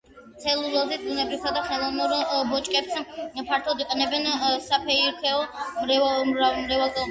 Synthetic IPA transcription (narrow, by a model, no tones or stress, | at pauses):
t̪sʰɛlˠulalzɛt̪ʼunɛbɾivsʰad̪aχɛlˠɔvnuɾbɔt͡ʃʼkʼɛpspʰaɾt̪ʰɔd̪iqʼɛnɛbɛnsapʰɛiɾt̪ʰɛɔmɾamɾɛvalˠɡɛ